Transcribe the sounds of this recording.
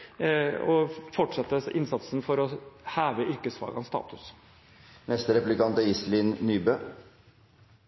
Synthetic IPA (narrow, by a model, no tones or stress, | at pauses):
ɔfɔʈʂɑt̪ːəʔɪnsɑt̪sn̩fɔɾɔhæːʋəʔʏɾkəsfɑ̰ːɡɑ̰nst̪ɑ̰ːt̪ʉs | nɛst̪əɾɛpʉlɪkɑnt̪ɑɪslɪnnyːbøː